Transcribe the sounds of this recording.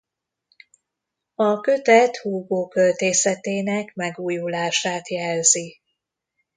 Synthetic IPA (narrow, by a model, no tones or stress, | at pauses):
ɒkøt̪ɛt̪huːɡoːkølt̪eːsɛt̪eːnɛkmɛɡuːjulaːʃaːt̪jɛlzi